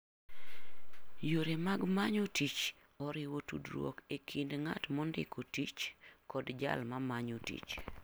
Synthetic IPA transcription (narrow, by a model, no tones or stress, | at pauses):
joɾemaɡmaɲotit͡ʃ | ɔɾɪwotṵdɾwo̰kekʰindŋa̰tmɔndɪ̰kʰotit͡ʃkɔdd͡ʒa̰lmamaɲotḭt͡ʃ